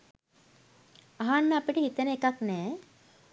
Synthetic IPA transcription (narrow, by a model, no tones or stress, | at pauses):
aɦanːəapiʈəhit̪ənəekaknɛː